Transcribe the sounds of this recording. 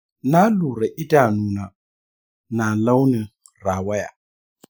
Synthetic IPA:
na˦lu˨ɾɛ˨ʔɪ˦da˨nu˨na˨ | na˨la˦ʊ˦nɪ˨ | ra˨wɛ˦ja̰˨

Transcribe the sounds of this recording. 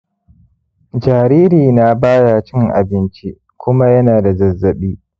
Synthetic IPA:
d͡ʒaː˨ɾiː˦ɾiː˨na˦baː˦ja˨t͡ʃɪ˦˨ŋʔa̰˨bɪ˦nt͡ʃi˦ | kʷʊ˦ma˦jɐ˦naː˨da˨zɐ˨zːɐ˨ɓiː˦

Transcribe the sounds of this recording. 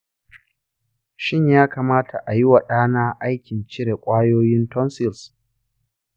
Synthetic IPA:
ʃɪ˦˨ɲjaː˦kaː˨maː˦tʰa˨ʔa˨ji˦wa˨ɗaː˦naː˦ʔa˦jkʲɪ˨nt͡ʃɪ˦ɽe˨kʷʼaː˦joː˦jɪ˦ntɔ˦nsɪ˨ls

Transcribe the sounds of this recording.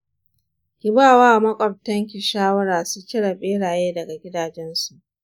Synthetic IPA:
kʲɪ˨baː˦˨waː˦˨mɐ˦kʷʼɔ˨b̚tɐ˦ŋk̬ʲi˨ʃaː˦wɐ˦ɽaː˨su˦kʲɪ˦ɽɐ˨ɓʼeː˦ɽaː˨jeː˦dɐ˨ɡa˨ɡʲɪ˦daː˨d͡ʒɛ˦nsu˨ʔ

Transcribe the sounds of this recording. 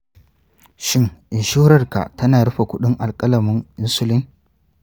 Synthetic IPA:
ʃɪ˦ŋʔɪ˨nʃʊ˦ɾɐ˦rka̰˨ʔtɐ˦naː˨ɽɐ˦ɸa˨kʷʊ˦ɗɪ˦ŋʔa˨lkʼɐ˦lɐ˨mʊ˦ŋʔɪ˦nsʊ˦lɪ˦ŋ

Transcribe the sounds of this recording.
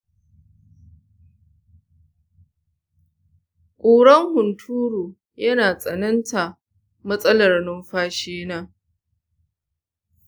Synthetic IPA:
kʷʼuː˨ɽɐ˦ŋhʊ˨ntʰuː˦ɾuː˨ | jɐ˦naː˨sʼɐ˨nɐ˦nta˨ | mɐ˦sʼɐ˦lɐ˨rnʊ˦mɸaː˦ʃeː˦naː˦

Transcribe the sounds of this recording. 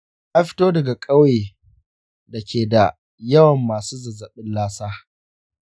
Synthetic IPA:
ʔa˦ɸɪ̥˦toː˦dɐ˨ɡa˨kʼɐ˦weː˨ | dɐ˨kʲeː˨da˨ | jɐ˦wɐ˨mːaː˨suː˦zɐ˨zɐ˨ɓɪ˦nlaː˦saː˦

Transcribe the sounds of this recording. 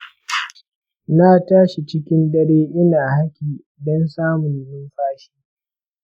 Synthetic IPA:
naː˦taː˦ʃi˨t͡ʃɪ˦kʲɪ˦nɗɐ˦ɽeː˦ʔɪ˦naː˨ha˦kʲiː˨ | dɔ˦nsaː˦mʊ˨njʊ˦mɸaː˦ʃiː˦

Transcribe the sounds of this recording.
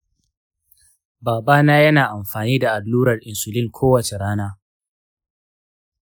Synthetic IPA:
baː˨baː˦naː˦jɐ˦naː˨ʔa˨mɸaː˨niː˦da˨ʔa˨dluː˦ɾɐ˨rʔɪ˨nsʊ˨lɪ˦ŋkʷʰoː˦wɐ˨t͡ʃe˨ɽaː˦naː˦

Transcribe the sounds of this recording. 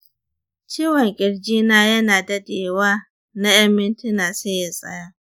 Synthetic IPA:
t͡ʃiː˦wɐ˨ŋkʲʼɪ˨ɽd͡ʒiː˦naː˦jɐ˦naː˨dɐ˦deː˨waː˦ | na˦jɐ˦mːɪ˦ntɪ˦naː˨seː˦ja˨sʼɐ̰˦jaː˦

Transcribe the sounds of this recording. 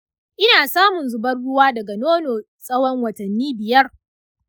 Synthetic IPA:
ʔɪ˦naː˨saː˦mʊ˨nzʊ˨bɐ˦rɽʊ˦waː˦dɐ˨ɡa˨noː˦noː˨ | sʼɐ˦wɔ˦ŋwɐ˨tɐ˨nːiː˦bɪ˨jɐ˦r

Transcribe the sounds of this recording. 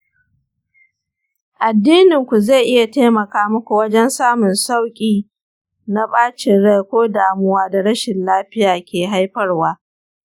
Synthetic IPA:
ʔa˨dːiː˦nɪ˨ŋkʷu˨za˦˨ʔɪ˦ja˨teː˦mɐ˨kaː˦mʊ˦kʷu˨wɐ˦d͡ʒɛ˦nsaː˦mʊ˨nsa˦˨wkʲʼiː˦ | na˦baː˦t͡ʃɪ˨nɽa˦˨kʷoː˦daː˨mʊ˦waː˦da˨ɽɐ˦ʃɪ˨nlaː˦ɸɪ˦jaː˨kʲʰeː˨ɦa˦jɸɐ˦rwaː˦

